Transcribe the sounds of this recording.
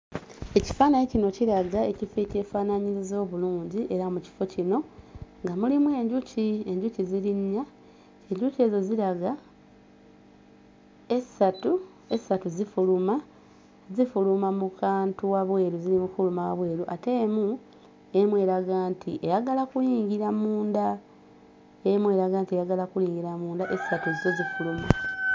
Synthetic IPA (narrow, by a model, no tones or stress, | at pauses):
e̞ci̥faːnaɲicino̞ciɾaɡae̞cifece̞ːfaːnaɲiɾizo̞ːβuluːɲɟiʔe̞ɾamuci̥fo̞cino̞ŋɡamulimwe̞ːɲɟucie̞ɲɟuciziɾiɲːa | e̞ɲɟuce̞ːzo̞ziɾaɡa | esatu | e̞satuzifuluma | zifulumamukaːntuwaβwe̞ːɾuziɾimufulumawaβwe̞ːɾuʔate̞ːmu | emwe̞ːɾaɡaːntʰiʔejaɡalakuliːɲɟiɾamuːnda | emwe̞ːɾaɡaːntiejaɡalakuliːŋɡiɾamuːndaʔessatuzize̞zifuluma